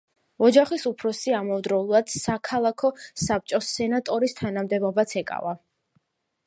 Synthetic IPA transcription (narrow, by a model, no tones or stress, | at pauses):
ɔd͡ʒaχisupʰɾɔsiamɔvd̪ɾɔulˠad̪̥sakʰalˠakʰɔsap̚t͡ʃʼɔsɛnat̪ʼɔɾist̪ʰanamd̪ɛbɔbat̪sʰɛkʼa̰va